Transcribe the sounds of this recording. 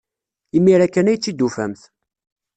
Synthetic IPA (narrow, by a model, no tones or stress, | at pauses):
imːiɾækːænæjt͡sːid̪ːufæ̰mθ